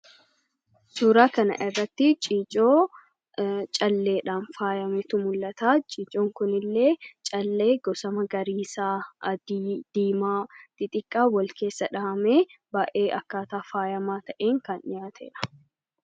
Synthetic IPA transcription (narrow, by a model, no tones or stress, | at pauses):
suːɾaːkɐnɐ̰ʔɪrːɐt̪ːɪt͡ʃʼiːt͡ʃʼoː | t͡ʃʼɐlːe̞ːᶑaːnfaːjɐmet̪ʊmʊlːɐt̪aːt͡ʃʼiːt͡ʃʼoːŋkʊnɪlːe̞ːt͡ʃʼɐlːe̞ːɡɔsɐmɐɡɐɾiːsaːɐd̪iːd̪̥iːmaːt̪ɪt̪ʼɪkʼːaːwɔlke̞ːsːɐᶑɐɐmeːbɐːʔeːʔɐkːaːt̪aːfaːjɐmaːt̪ɐʔeːŋkɐnɪjaːt̪ʰḛːᶑɐ̥